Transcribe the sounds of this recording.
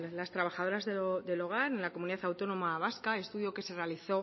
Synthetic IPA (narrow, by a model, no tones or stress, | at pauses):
last̪ɾaβ̞axað̞o̞ɾazðeod̪e̞lo̞ɣ̞aɾenlakomuniðaθawt̪o̞no̞maβaskae̞st̪uðjo̞ke̞se̞re̞aliθo̞